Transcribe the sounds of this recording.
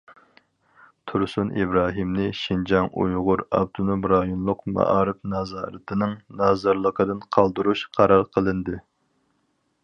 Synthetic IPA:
t̪ʰuɾsunʔibɾɑːɦimnɨʃind͡ʒɑŋṵjʁʊɾɑ̰b̚d̪unumɾɑjunlˠʊqmɑ̰ʔɑːɾɨpnɑzɑːɾɨt̪ʰɨnɨŋnɑːzɑɾlˠəqʰəd̪ɨnqʰɑlˠd̪uɾuʃqʰɑɾɑɾqʰəlˠɨnd̪ɨ

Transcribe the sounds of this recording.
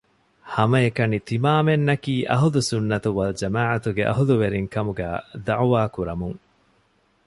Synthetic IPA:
hɐmɐekɐnit̪imaːmenːɐkiːʔɐɦudusunːɐt̪uʋɐld͡ʒɐmaːʕɐt̪uɡeʔɐ̰ɦuluʋeɾiŋkɐmuɡæ̰ːd̪ɐʕuʋaːkuɾɐmuŋ

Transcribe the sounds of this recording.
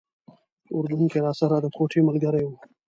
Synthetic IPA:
ʊɾd̪unkeɾaːsɐɾad̪əkoːʈʰeməlɡəɾeu

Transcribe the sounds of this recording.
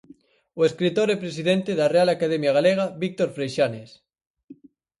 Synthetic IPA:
oeskɾit̪oɾepɾes̬iðent̪eðarealakaðemjaɣ̞aleɣ̞aβik̚t̪oɾfɾejʃanes

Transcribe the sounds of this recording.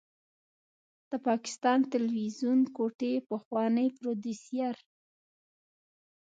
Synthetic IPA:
d̪̥əpɑkɪ̥st̪ɑnt̪alwizunkoʈepəxwɑnəjpɾod̪isijaɾ

